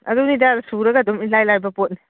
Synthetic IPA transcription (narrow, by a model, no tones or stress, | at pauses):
ɐ̰dunidasuɾɐɡɐɐdɔmilajlajbɐpot̚ni